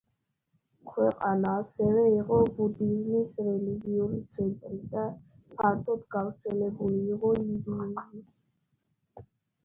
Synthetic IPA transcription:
kʰwɛqʼanaːsɛvɛiʁɔbud̪izmisɾɛliɡiuɾit̪sʰɛnt̪ʼɾid̪a | pʰaɾt̪ʰɔd̪ɡavɾt̪sʰɛlɛbuliːʁɔud̪iuli

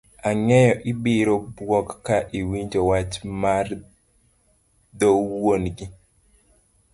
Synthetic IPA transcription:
aŋɛjɔʔɪbɪɾobwɔkːaʔiwiɲd͡ʒowat͡ʃmar | d̪owonɡi

